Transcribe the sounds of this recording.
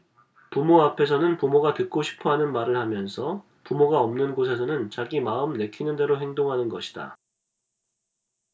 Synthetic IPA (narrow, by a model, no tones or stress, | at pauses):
pumoapʰe̞s̬ʰʌnɯnpumoɡatɯk̚k͈oɕʰi̥pʰʌɦanɯnmaɾɯɭhamjʌnsʰʌ | pumoɡaʌmnɯnɡos̬ʰe̞s̬ʰʌnɯnt͡ɕaɡimaɯmne̞kʰinɯnde̞ɾoɦe̞ŋdoŋɦanɯnɡʌɕʰi̥d̥a̰